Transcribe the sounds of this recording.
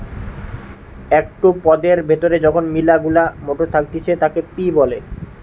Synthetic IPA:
ɛk̚ʈupɔd̪eɾbʱet̪oɾed͡ʑɔkʰonmilaɡulamoʈot̪ʰak̚t̪it͡ɕʰet̪akepibɔle

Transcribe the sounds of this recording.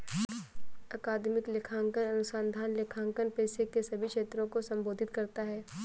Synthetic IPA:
ɐkaːd̪mɪklɪkʰaːŋkənɐnʊsaːnd̪ʱaːnlekʰãːŋkənpɛːsekesɐbʱikʃeːt̪ɾõkosɐ̃mboːd̪ʱɪt̪kɐɾt̪aɦɛː

